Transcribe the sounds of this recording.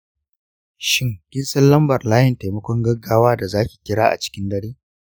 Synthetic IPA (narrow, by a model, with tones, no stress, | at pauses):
ʃɪ˦ŋɡʲɪ˦nsɐ˦nlɐ˦mbɐ˨rlaː˦jɪ˨nta˨jmɐ˦kʷɔ˦ŋɡɐ˦ɡːaː˦waː˦da˨zaː˦kʲi̥ː˨kʲɪ˦ɽaː˦ʔa̰˨t͡ʃɪ̥˦kʲɪ˦ndɐ˦ɽeː˦